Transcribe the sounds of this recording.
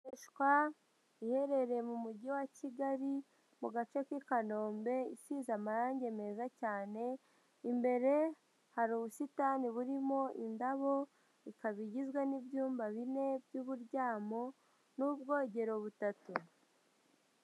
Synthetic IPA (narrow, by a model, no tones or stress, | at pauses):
eʃkwa | ihe̞ɾe̞ɾe̞mumuɟiwaciɡaɾi | muɡat͡ʃe̞kikano̞ːmbe̞isizamaɾaːɲɟe̞me̞zacaːne̞ | imbe̞ɾe̞ | haɾuːβusitaniβuɾimo̞ʔḭndaβo̞ | ikaβiɟizɡwanibjuːmbaβine̞bjuːβuɾɟaːmo̞ | nubɡo̞ːɟe̞ɾo̞βutatu